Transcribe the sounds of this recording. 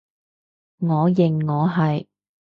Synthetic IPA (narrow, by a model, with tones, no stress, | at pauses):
ŋɔː˨˧jɪ˨ŋːɔː˨˧ɦɐ˨j